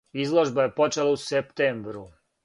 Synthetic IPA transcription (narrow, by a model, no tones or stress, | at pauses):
izlˠoʒbaje̞po̞t͡ʃelausept̪embɾu